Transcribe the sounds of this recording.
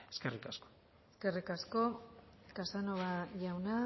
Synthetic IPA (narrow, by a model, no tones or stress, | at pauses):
eskerikasko̥ | eske̞rikasko̞kasanoβaʝawna